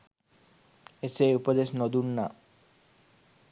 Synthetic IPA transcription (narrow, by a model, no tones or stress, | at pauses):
eseupod̪eʃnod̪unːa̰